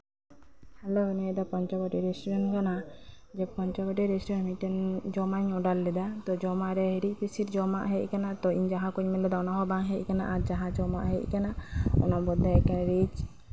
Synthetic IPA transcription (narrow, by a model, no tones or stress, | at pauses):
hɛloɛnɛd̪apɔɲt͡ʃɔkɔʈiɾɛsʈuɾɛnkana | d͡ʒɛpɔɲt͡ʃɔkɔʈiɾɛsʈuɾɛnmiʈɛnd͡ʒɔmaɲɔɖalːɛd̪at̪ɔd͡ʒɔmaʔɾɛɦɛɾic̚pisiɾd͡ʒɔmaʔɦɛc̚ˀkanat̪ɔiɲd͡ʒaɦãkuɲmɛlɛd̪aɔnaɦɔbaŋɦɛc̚kanaʔad͡ʒaɦãd͡ʒɔmaʔɦɛc̚ˀkanaɔ̰nabɔd̪akanɾit͡ʃ